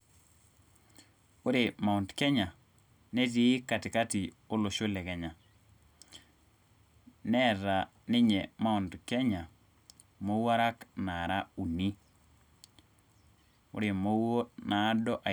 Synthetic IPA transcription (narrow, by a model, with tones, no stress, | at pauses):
ʊ˦ɾe˨ma˨ɔ˨ndkɛ˦ɲa˨ | ne˦ti˨˦ka˨tɪ˨ka˦ti˨ | o˦lo˨ʃo˦lɛ˨kɛ˨ɲa˨ | nɛ˦ɾa˨ | nɪ˦ɲɛ˨ma˦ɔ˨ndkɛ˦ɲa˨ | mo˦wa˦ɾa˦kna˨ɾa˦u˨ni˦ | ʊ̰˦ɾe˨mo˦wo˦na˨˦dɔ˦ʔa˨